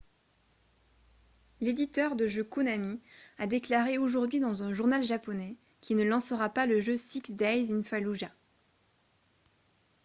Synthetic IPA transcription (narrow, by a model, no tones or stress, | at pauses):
led̪it̪œʁd̪əʒøkunamiad̪eklaʁeoʒuʁd̪ɥid̪ɑ̃zɛ̃ʒuʁnalʒapɔnɛ | kʲʰinəlɑ̃səʁapaləʒøsiksd̪ajzinfaluʒa